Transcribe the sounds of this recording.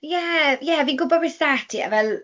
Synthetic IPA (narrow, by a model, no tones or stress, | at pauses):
jɛjɛviːnɡʊbɔrɪsðatʰia̰vɛlˠ